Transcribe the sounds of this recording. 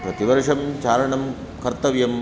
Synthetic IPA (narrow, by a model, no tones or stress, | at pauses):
pɾɐt̪iʋɐɾʂɐmt͡ʃaːɾɐɳɐm | kɐɾt̪ɐʋjɐm